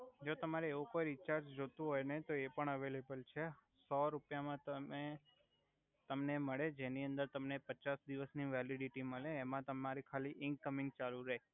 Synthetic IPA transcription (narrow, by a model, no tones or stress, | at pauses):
d͡ʒot̪əmaɾeeʋukojɾit͡ʃaɾd͡ʒd͡ʒot̪ũɦojnet̪oepəɳəʋelebəlt͡ʃʰe | sɔɾupjamãt̪əe | t̪əmneməɭed͡ʒeniə̃nd̪əɾt̪əmnepət͡ʃasd̪iʋəsniʋɛliɖiʈiməɭeːmãt̪əmaɾikʰaliʔɪŋkəmɪ̃ŋɡ̚t͡ʃaluɾəɦe